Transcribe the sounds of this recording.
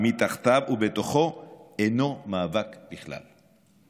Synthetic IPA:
mit̪aχt̪avube̞t̪o̞χo̞eno̞maːvakbiχla̰l

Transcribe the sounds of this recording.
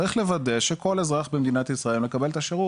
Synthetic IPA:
ʁiχle̞vade̞ʃe̞ko̞lezʁaχbemd̪inat̪jisʁaemle̞kabelt̪aʃeʁu

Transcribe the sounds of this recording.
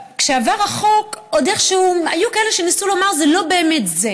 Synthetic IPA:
kʃeavaʁaχo̞kod̪eχʃeua̰jukaele̞ʃe̞nisulo̞maʁzelo̞be̞ːme̞tze

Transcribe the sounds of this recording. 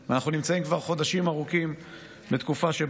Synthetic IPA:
veanaχnunimt͡saimkvaʁχo̞d̪aʃimaʁukim | bet̪kufaʃe

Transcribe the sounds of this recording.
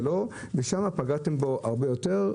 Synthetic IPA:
lo̞ | veʃamapaɡate̞mbo̞ʔaʁbejo̞teʁ

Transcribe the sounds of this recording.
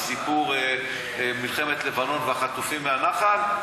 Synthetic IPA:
sipuʁ | milχe̞met̪le̞vano̞nveaχat̪ufimːeanaχal

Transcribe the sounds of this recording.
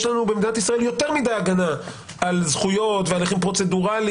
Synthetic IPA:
ʃlanubemd̪inat̪isʁae̞ljo̞teʁmid̪ejaɡana | alzχujo̞t̪vealiχimpʁo̞t͡se̞duʁali

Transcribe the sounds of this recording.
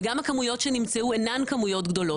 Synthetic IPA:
ɡamhakamujo̞tʃenimt͡seuenankamujo̞t̪ɡd̪o̞lo

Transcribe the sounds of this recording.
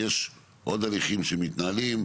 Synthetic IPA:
jeʃ | ʔo̞d̪aliχimʃemit̪nalim

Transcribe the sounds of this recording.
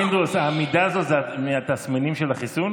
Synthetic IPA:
ind̪usamid̪aːzo̞t̪zeamiat̪asminimʃelaχisun

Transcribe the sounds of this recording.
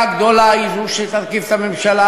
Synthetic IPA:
aɡd̪olaiɾuʃet̪aðkift̪amemʃala

